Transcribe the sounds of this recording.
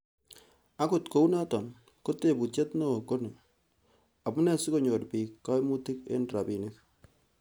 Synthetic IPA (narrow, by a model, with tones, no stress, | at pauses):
a˦kʊ˨tko˦u˦na˦tɔ˨n | ko˦te˨bu˨t͡ʃe˦tno˦˨ko˦ne˨ | a˨bʊ˦nɛ˦sɪ˦ko˦˨ɲo˨ɾpiː˨kːa˦jmu˦tɪ˦kḛ˦nra˨bi˨nɪ˦k̚